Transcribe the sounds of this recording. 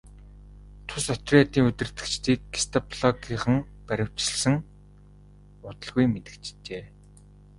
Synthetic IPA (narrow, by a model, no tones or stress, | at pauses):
t̪ʰʊsɔt̪rʲiat̪iːŋɵt̪ɘ̆r̥t̪ɘ̆kt͡ɕt̪iːkɡi̥st̪ʰɔpʰɮɔɡiχə̆ŋ | pæɾʲɪ̆w̥t͡ɕɪ̆ɮsɘ̆ŋ | ʊt̪ə̆ɮɣujmet̪ɘ̆kt͡ɕt͡ɕeː